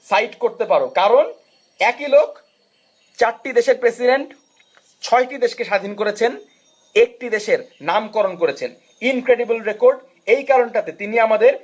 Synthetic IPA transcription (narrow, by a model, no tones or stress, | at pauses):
sajʈkoɾt̪epaɾokaɾon | ɛkilok | t͡ɕaɾʈid̪eʃeɾpɾesiɖeɳʈ | t͡ɕʰɔeʈid̪eʃkeʃad̪ʱinkoɾet͡ɕʰen | ek̚ʈid̪eʃeɾnamkɔɾonkoɾet͡ɕʰen | inkɾeɖibulɾekoɾɖ | ejkaɾonʈat̪et̪iniamad̪eɾ